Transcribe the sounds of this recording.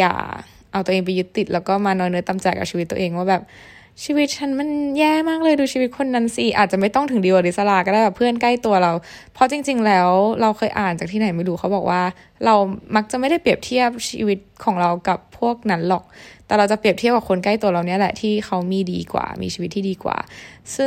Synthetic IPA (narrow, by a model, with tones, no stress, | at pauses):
ja̰ː˨˩ | ʔa˧wt̪u˧eː˧ŋpa˧jːu˦˥t̪ːi˨˩t̪̚lɛː˦˥wkɔː˥˩maː˧nɔː˧jnɯ˦˥ɐt̪a˧˩mt͡ɕɛː˨˩kːa˨˩t͡ɕʰiː˧wt̪ːṵ˧ʔeː˧ŋwaː˥˩bɛː˨˩p̚ | t͡ɕʰiː˧wi˦˥t̪̚t͡ɕʰa˦˥nma˧˥˨njɛː˥˩maː˥˩k̚lɤː˧jduː˧ɕʰiː˧wi˦t̪̚kʰo˧nːa˦˥nsi˨˩ʔaː˨˩t͡ɕa˨˩ma˥˩jt̪ɔ˥˩ŋt̪ʰɯ˩˦ŋdi˧waː˨˩li˦˥sa˧la˧˩kɔ˥daː˥˩jbɛː˨˩pʰɯ˥˩ənka˥˩jt̪u˧ɐɾa˧wpʰɔ˧˦˥t͡ɕi˧ŋt͡ɕi˧ŋlɛː˦˥wɾa˧wxɤː˧jʔa̰ː˨˩nt͡ɕa˨˩k̚t̪ʰiː˥na˩˦jma˥˩jɾuː˦xʰa˦wbɔː˨˩k̚wʔaː˥˩ | ɾa˧wma˦˥k̚t͡ɕa˨˩ʔma˥˩jda˥˩jpi˨˩əp̚t̪ʰi˥˩əp̚t͡ɕʰḭː˧wi˦˥t̪̚kʰɔː˩˦ŋɾa˧wka˨˩pʰːu˥˩ək̚na˦˥nlɔ˨˩k̚t̪ɛː˨˩ɾa˧wt͡ɕa˨˩pɾi˨˩əp̚t̪ʰi˥˩pka˨˩kʰo˧nka˥˩jt̪u˧ɐ˧ɾa˧wni˦˥ɐlɛ˨˩t̪ʰiː˥˩xa˦˥wmiː˧dḭː˧kwa̰ː˨˩mḭː˧t͡ɕʰiː˧i˦t̪ʰːiː˥˧diː˧kwa̰ː˨˩sɯ˥˩ŋ